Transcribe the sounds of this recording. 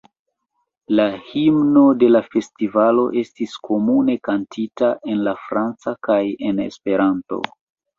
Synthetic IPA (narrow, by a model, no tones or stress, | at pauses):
lahimno̞de̞lafe̞stivalo̞ʔe̞stiskʰo̞mune̞kantʰitaʔe̞nlafɾant͡sakaje̞ne̞̰spe̞ɾanto̞̰